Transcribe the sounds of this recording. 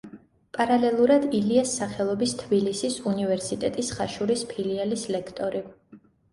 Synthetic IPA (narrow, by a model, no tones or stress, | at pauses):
pʼaɾalɛlˠuɾad̪iliasːaχɛlˠɔbist̪ʰbilisisunivɛɾsit̪ʼɛt̪ʼisχaʃuɾispʰilialislɛkʰt̪ʼɔɾi